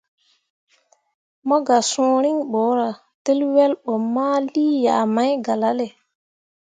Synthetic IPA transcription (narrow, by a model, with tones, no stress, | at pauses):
mɔ˦ɡa˨sɔ̃ː˨˦ɾi˦ŋɓɔ˨˦ɾa˨ | te˦lwɛ˦lɓɔ˨mːa˦liː˦jaː˨ma˦jɡa˨la˦le˨